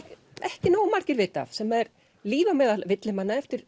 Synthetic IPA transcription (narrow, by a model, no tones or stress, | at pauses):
ɛhcɪnaːwmaɾcɪɾvɪːt̪a̰fsɛmɛɾ | liːvamɛːðalvɪt̪lɪmanːaɛft̪ɪɾ̥